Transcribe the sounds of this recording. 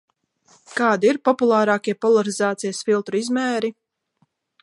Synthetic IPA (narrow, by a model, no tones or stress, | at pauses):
kaːd̪iiɾpɔpulˠaːɾaːkiɛpɔlˠaɾizaːt̪sijɐsfilˠt̪ɾuizmɛːɾi